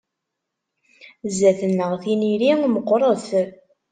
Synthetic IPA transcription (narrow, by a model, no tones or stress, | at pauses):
zːæθənːəʁθiniɾiŋməqːɾˤəθ